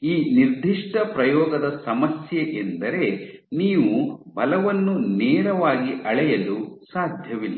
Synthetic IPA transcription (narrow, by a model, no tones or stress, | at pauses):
iːniɾd̪ʱiʂʈɐpɾɐjɔːɡɐd̪ɐsɐmɐsjeʔend̪ɐɾe̞niːʋubɐlɐʋɐnːunɛːɾɐʋaːɡiʔɐɭɛjɐlusaːd̪ʱjɐʋilːɐ